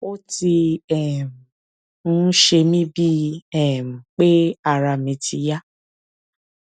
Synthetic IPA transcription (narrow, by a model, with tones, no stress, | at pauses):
o˦ti˧ɛ˨m̩˨ | ñ̩˦ʃe˧mĩ˦bi˦ɛ˦˨m̩˨k͡pe˦a˧ɾa˧mĩ˧ti˧ja˦